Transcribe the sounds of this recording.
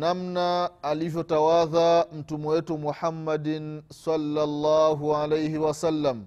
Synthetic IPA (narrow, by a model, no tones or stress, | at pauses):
namnaːlivjɔtawaðam̩tumuwetumuħamːadinsalːalːaːɦuʕalejhiwasalːam